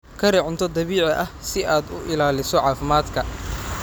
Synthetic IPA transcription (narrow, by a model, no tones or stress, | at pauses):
kʰɐɾiʕʊnt̪ʰɔd̪ɐβiːʕɪʔɐhsɪaːd̪ʊʔɪlaːlɪsɔʕɑːfɪmaːd̪kʰɐ